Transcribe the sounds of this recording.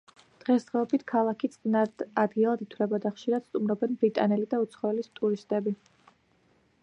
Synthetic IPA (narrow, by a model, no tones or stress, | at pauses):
d̪̥ʁɛsd̪ʁɛɔbit̪ʰkʰalˠakʰit̪sʼnad̪ad̪ɡilˠad̪it̪ʰwlɛbad̪aχʃiɾad̪̥st̪ʼumɾɔbɛnbɾit̪ʼanɛlid̪aut̪sʰχɔɛlist̪ʼuɾist̪ʼɛbi